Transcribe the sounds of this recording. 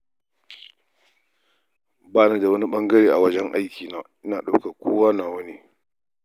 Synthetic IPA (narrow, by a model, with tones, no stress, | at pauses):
baː˦na˦da˨wɐ˦ni˦ɓɐ˦ŋɡɐ˦ɾeː˦˨ʔa˨wɐ˦d͡ʒɛ˦ŋʔa̰˦jkʲiː˨naː˨ʔɪ˦naː˨ɗa˦wka˨kʷʰoː˦waː˦naː˨wɐ˦ni˦